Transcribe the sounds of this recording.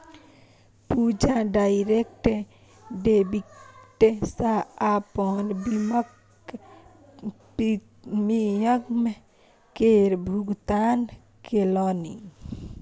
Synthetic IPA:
pud͡ʒaɖaiɾek̚ʈe | ɖebiʈesaːpɔnbimək | pi | mijəkme | keɾbʱuɡt̪an | kelɔni

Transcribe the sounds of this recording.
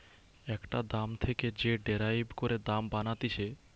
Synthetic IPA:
ɛkʈad̪amt̪ʰeked͡ʑeɖeɾajbkoɾed̪ambanat̪it͡ɕʰe

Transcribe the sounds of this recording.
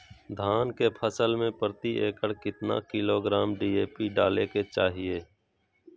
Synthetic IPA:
d̪ʱaːnkepʰəsəlmẽpəɾt̪iʔḛːkəɽkɪt̪na̰kɪloːɡɾaːmɖiːeːpiɖaːleket͡ʃaːɦijeː

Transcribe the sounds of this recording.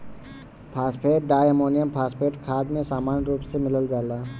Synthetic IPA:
pʰaːspʰeːʈ̚ɖaːjəmoːnijəmpʰaːspʰeːʈkʰaːd̪mẽsaːmaːnɾuːpsemɪləld͡ʒaːlaː

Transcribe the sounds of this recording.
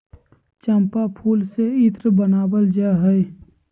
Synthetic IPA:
t͡ʃəmpapʰuːlseɪt̪ɾəbənaːbəld͡ʒaɦəe

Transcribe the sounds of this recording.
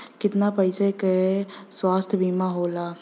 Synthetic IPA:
kɪt̪napəɪsekeeswaːst̪ʰbʱimaɦoːlaː

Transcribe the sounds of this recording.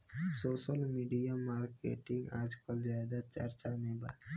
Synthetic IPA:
soːsəlmiɖijamaɾkḛʈiŋɡa̰d͡ʒkɔld͡ʒaad̪at͡ʃəɾt͡ʃameba̰

